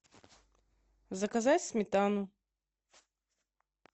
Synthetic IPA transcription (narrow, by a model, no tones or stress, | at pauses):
zɐkɐzatʲsʲmʲɪt̪anʊ